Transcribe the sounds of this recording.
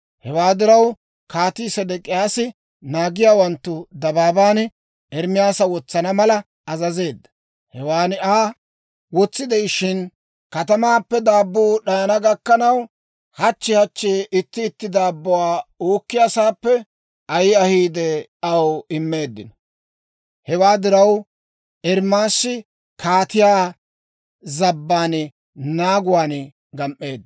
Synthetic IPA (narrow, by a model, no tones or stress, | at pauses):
hɛwaːd̪ɪɾɐw | kaːt̪iːsɐd̪ɛkʼɪjaːsɪ | naːɡɪjaːwɐnt̪ːʊd̪ɐbaːbaːn | ɛɾmɪjaːsɐwɔt͡sːɐnɐmɐlɐ | ɐzɐze̞ːd̪ːɐ | hɛwaːnɪaː | wɔt͡sːɪd̪ɛjʃɪn | kɐt̪ɐmaːpːɛd̪aːbːuːɗɐjɐnɐɡɐkːɐnɐw | hɐt͡ʃːɪhɐt͡ʃːeʔɪt̪ːɪːt̪ːɪd̪aːbːʊwaːuːkːɪjasaːpːɛ | ɐjɪɐhiːd̪ɛɐwɪmːe̞ːd̪ːɪnɔ | hɛwaːd̪ɪɾɐw | ʔɛɾmaːsːɪ | kʰaːt̪ɪjaː | zɐbːaːn | naːɡʊwaːn | ɡɐmʔːe̞ːd̪ː